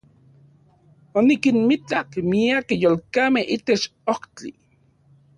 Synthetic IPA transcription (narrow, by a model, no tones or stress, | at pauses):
onikinmit͡ɬakmiakjoːlkamehʔit̪et͡ʃoht͡ɬi